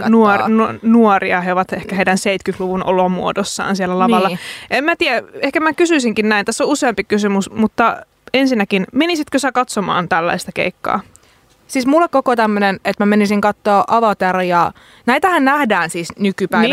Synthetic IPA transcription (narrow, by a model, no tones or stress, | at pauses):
nuonnuoriɑheoʋɑt̪ehkæheidænseit̪kyt̪luʋunʔo̰lomuodosːɑ̰ːnsielːælɑʋɑlːɑemmæt̪iæehkæmækysyisiŋkinnæint̪æsːouseɑmpikysymusmut̪ːɑ | ensinːækinmenisit̪køsækɑt̪somɑ̰ːnt̪ælːæ̰ist̪ɑkḛikːɑ̰ː | siːsmulːekkokot̪æmːønenet̪mæmenisiŋkɑt̪ːoːʔɑʋɑt̪erjɑ | næit̪æhænnæhdæːnsisnykypæi